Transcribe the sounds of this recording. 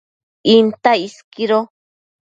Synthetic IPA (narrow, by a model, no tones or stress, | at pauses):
int̪aiskiɾo